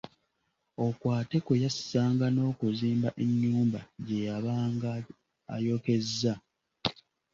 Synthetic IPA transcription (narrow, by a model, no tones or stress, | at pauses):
o̞kwaːte̞kwejassaːŋɡano̞ːkuziːmbaʔeɲːuːmbaɟe̞jaβaːŋɡa | a̰jo̞ke̞zːa